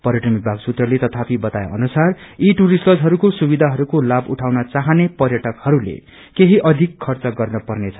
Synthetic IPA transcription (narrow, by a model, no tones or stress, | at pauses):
pʌɾjʌʈʌmik̚bʱaɡsut̪rʌlet̪ʌt̪ʰapibʌt̪aj̰ʌnusariʈuɾisʈʌd͡zɦʌɾukosubid̪ʱaɦʌɾukolabuʈʰawnʌt͡saɦʌnepʌrjʌʈʌkhʌɾulḛ | keɦiʔʌd̪ʱikʰːʌrt͡sʌɡʌrnʌpʌrnet͡sʰʌ